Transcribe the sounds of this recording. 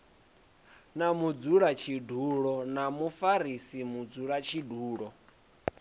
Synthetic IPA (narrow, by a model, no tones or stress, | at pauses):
namud͡zuɺat͡ʃʰidʱuɺɔnamufaɾisimud͡zuɺat͡ʃʰiduːɺɔ